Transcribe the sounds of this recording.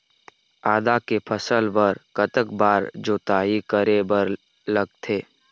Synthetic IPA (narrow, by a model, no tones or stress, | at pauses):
aːd̪akepʰəsəlbəɾkət̪əkbaːɾd͡ʒoːt̪aːikəɾebəɾ | ləɡ̚t̪ʰeː